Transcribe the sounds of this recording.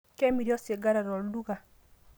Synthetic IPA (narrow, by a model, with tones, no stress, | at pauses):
kɛ˦mi˨ɾjɔ˦se˨ɡa˦ɾa˨ɾɔ˨ldu˦ɡa˨